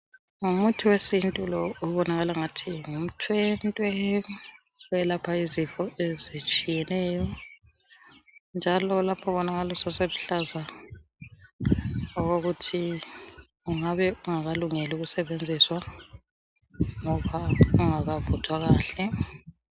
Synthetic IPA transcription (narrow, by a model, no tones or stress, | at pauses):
ŋumutʰuwesintʼulɔuβɔnaɣalaŋatʰiŋum̩tʰwɛntʼwɛ | wɛlapʰaizifɔezit͡ʃʼijɛnɛːjɔ | nd͡ʒʱalɔlapʰɔβɔnaɣalusaseluɬaza | ɔɣoɣutʰi | uŋaβɛuŋaɣaluŋeluɣusɛβend͡zʱiswa | ŋɔβauŋaɣavɔtʰwaɣaːɬɛ